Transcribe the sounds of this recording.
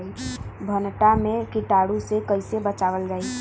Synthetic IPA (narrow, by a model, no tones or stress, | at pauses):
ibʱənʈamẽkɪʈaːɽũsekəɪsebət͡ʃaːʋəld͡ʒaːi